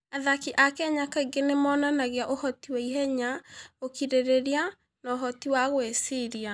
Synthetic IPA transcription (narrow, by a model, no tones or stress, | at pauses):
aðakiʔakɛɲakaiɡenemɔːnanaɣeaʔohɔtiwɛiɦɛɲaokiɾeɾeɾia | naoɦɔtiwaɣwesiɾia